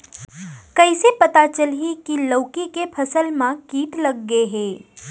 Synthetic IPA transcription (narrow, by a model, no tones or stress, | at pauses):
kəɪsepət̪at͡ʃəlɦikiləʊkikepʰəsəlmãkiːʈ̪ləɡːeɦe